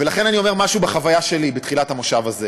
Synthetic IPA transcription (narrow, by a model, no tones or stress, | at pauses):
velaχe̞nanio̞me̞ʁmaʃubeχavajaʃe̞libetχilathamoʃavaze